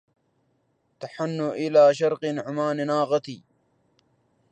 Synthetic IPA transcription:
t̪aħanːʊʔɪlaːʃɑɾˤqɨnʊʕʊmaːnnaːɣɑt̪iː

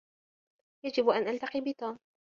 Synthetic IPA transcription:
jad͡ʒɪbʔanʔalt̪aqiːbɪt̪aːm

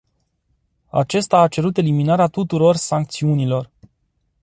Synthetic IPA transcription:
a̰t͡ʃe̞st̪aːt͡ʃe̞ɾut̪e̞liminaɾeat̪ut̪uɾo̞rsaŋk̚t̪siunilo̞r

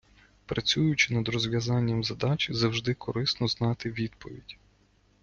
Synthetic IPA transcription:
pɾɐt͡sʲujʊt͡ʃɪnɐd̪rɔzʋʲjɐzɑnʲːɐmzɐd̪ɑt͡ʃʲzɐwʒd̪ɪkʰɔɾɪsnɔznɑt̪ɪʋʲid̪pɔʋʲidʲ

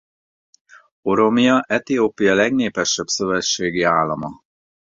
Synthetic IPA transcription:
o̞ɾo̞mijɒʔɛt̪ioːpijɒlɛɡneːpɛʃɛbsø̞vɛt͡ʃːeːɡiaːlːɒmɒ

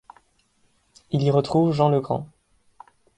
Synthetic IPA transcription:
iliʁət̪χuvʒɑ̃ləɡʁɑ̰̃

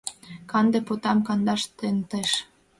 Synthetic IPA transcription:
kɑnd̪ĕpot̪ɑmkɑnd̪ɑʃt̪ent̪eʃ

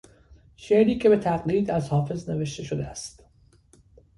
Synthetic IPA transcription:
ʃeɾiːcʰʲebe̞t̪ʰæɣliːd̪æzhɒːfe̞zne̞ve̞ʃt̪e̞ʃod̪eæ̰st̪

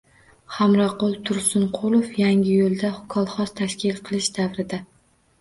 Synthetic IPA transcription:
χamɾaqolˠt̪ʰʊɾsʊnqʰolˠofjaŋʲɪjolˠd̪aʊkʰɒlˠχɒst̪ʰaʃkʲɪlqʰɨlˠɪʃd̪avɾɪd̪a

